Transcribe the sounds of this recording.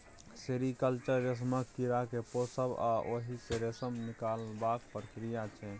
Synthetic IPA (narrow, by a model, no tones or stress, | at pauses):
seɾikəlt͡ʃəɾːes̬məkːiɾakeposəba̰ʔoɦiseɾesəmnikalbakpɾəkɾijat͡ʃʰɛ